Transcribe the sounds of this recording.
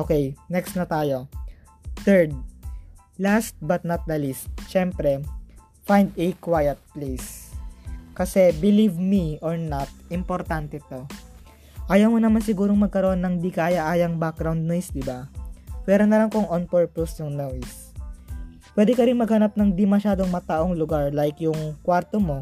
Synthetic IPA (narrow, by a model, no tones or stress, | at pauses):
ʔoːkɛjnɛkst̪nɐt̪aːjo̞ | θɛɹd̪̚ | last̪̚bɐt̪̚nɐt̪̚d̪ɐlist̪̚ʃɛmpɾɛ | fajnd̪ɛkwajɐt̪̚plejs | kɐsɛbɪlivmiʔoɹnat̪̚ɪmpoɾt̪ant̪ɛt̪o̞ | ʔaːjɐwmonɐmansɪɡuːɾoŋmɐɡ̚kɐɾoʔonːɐŋd̪ikaːjɐʔaːjɐŋbak̚ɡɾawnd̪̚nojsd̪ɪbapɛɾonɐlɐŋkoŋʔonpɛɹposjʊŋnos | pwɛd̪ɛkɐɾɪnmɐɡhɐnap̚nɐŋd̪ɪmɐʃaːd̪o̞ŋmɐt̪aʔoŋlʊɡaɹlajkjʊŋkwaɾt̪omo̞